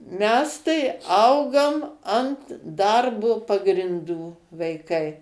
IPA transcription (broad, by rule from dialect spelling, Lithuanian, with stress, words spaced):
ˈmʲɛs tɐɪ ˈɐʊɡoːm ɐnt ˈdɐrboː pɐɡrʲɪnˈduː ʋɐɪˈkɐɪ